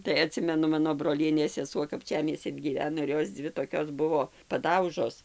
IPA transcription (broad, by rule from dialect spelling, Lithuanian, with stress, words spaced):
tɐɪ ɐˈtʲsʲɪmʲɛnʊ ˈmɑːnoː broːˈlʲiɛnʲeːs sʲɛˈsuɔ kɐpʲˈt͡ʃʲæːmʲiɛsʲt͡sʲɪn ɡʲiːˈʋʲæːnoː ɪr ˈjoːs ˈd͡zʲʋʲɪ toːˈkʲoːs ˈbʊʋoː pɐˈdɐʊʒoːs